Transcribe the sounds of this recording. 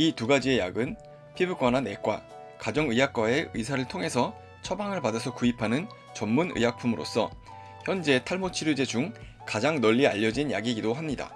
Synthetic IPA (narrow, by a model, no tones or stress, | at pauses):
ituɡad͡ʑie̞jaɡɯn | pʰibɯk͈wanane̞k͈wa̰ | kad͡ʑʌŋɯjak͈̚wae̞ɯs̬ʰaɾɯɭtʰoŋɦe̞sʰʌ | t͡ɕʰʌbaŋɯɭpadasʰʌkuipʰanɯn | t͡ɕʌmmunɯ̰jak̚pʰumɯɾo̰s͈ʰʌ̰ | çjʌnd͡ʑe̞tʰaɭmot͡ɕʰiɾud͡ʑe̞d͡ʑuŋ | kad͡ʑaŋnʌʎːia̰ʎːʌd͡ʑinja̰ɡiɡidoɦamɲida̰